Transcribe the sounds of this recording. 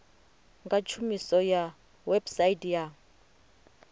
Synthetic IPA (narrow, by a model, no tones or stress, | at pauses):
ŋɡat͡ʃʰumisɔja | wɛbsaitja